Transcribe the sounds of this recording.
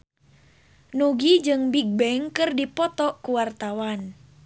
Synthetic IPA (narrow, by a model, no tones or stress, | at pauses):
nuɡid͡ʒɨŋbiɡ̚bɛŋkɨrdipɔt̪ɔkuwart̪awan